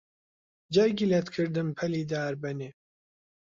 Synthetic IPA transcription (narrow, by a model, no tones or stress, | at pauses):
d͡ʒɛɾɡilɛt̪kʰɨɾd̪ɨmpʰɛliːd̪aːɾbɛneː